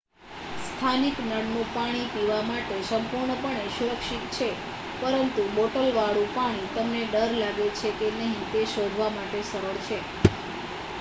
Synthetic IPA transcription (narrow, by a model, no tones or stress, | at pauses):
st̪ʰaniknəɽnũpaɽ̃ipiʋamaʈesəmpuɾɳəpəɳeʃuɾəkʃit̪t͡ʃʰe | pəɾənt̪uboʈəlʋaɭũpaɽ̃it̪əmneɖəɾlaɡet͡ʃʰekenəɦĩt̪eʃod̪ʱʋamaʈesəɾəɭt͡ʃʰe